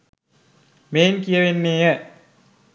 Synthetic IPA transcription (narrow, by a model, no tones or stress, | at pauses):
meːnkijɐʋenːeːjɐ